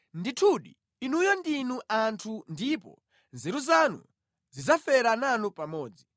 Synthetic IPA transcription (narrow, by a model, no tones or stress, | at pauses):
nditʰuɗḭː | nujɔndinuʔantʰundipɔ̰ | nzɛɾuzanṵ | zizafɛɾananupamɔːd͡zi